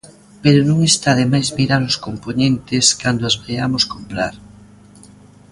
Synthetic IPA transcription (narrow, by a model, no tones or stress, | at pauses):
peɾonõŋest̪aːðemajzmiɾaɾʊskomponẽnt̪ɪskand̪oazβeamoskompɾa̰ɾ